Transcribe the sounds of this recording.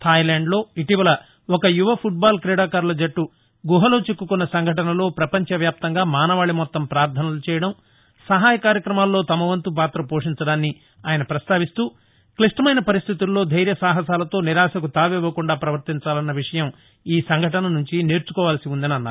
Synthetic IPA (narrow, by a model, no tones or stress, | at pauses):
t̪ʰaːjlaːɳɖlo̞ːiʈiʋɐlɐ | ɔkɐjuʋɐpʰuʈ̚baːlkɾɛːɽaːkaːɾlɐd͡ʒɐʈːu | ɡuɦɐlo̞ːt͡ʃekːukunːɐsɐŋɡʱɐʈɐnɐlo̞ːpɾɐpɐɲt͡ʃɐʋjaːp̚t̪ɐŋɡaːmaːnɐʋaːɭimɔt̪ːɐmpɾaːɾt̪ʰɐnɐlut͡ʃɛːjɐɽɐm | sɐɦaːjɐkaːɾjɐkɾɐmaːlːo̞ːt̪ɐmɐʋɐnt̪up̬aːt̪ɾɐpoːʂiɲt͡ʃɐɽaːnːi | aːjɐnɐpɾɐst̪aːʋist̪uː | kliʂʈɐmɐjnɐpɐɾist̪ʰit̪ulːo̞ːd̪ʱɐjɾjɐsaːɦɐsaːlɐt̪o̞ːniɾaːsɐkut̪aːʋɛːʋɐkuɳɖaːpɾɐʋɐɾt̪iɲt͡ʃaːlɐnːɐʋiʂɐjɐm | iːsɐŋɡʱɐʈɐnɐnuɲt͡ʃine̞ːɾt͡ʃu̥kɔːʋaːlɐsiund̪ɐniɐnːaːɾ